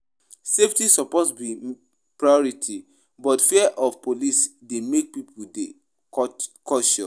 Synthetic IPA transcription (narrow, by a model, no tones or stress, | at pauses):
seftisɔposbi | pɹajɔɹitʰi | bɔtfiɛʔɔvpolisdemek̚pipʰude | kɔʃɔ